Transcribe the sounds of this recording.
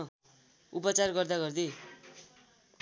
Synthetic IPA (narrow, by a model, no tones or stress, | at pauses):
upʌt͡sarɡʌrd̪aɡʌrd̪e